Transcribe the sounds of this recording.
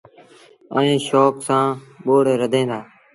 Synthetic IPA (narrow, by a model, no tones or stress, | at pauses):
əẽːʃoːksãːɓoːɽɾəd̪ʱẽːnd̪aː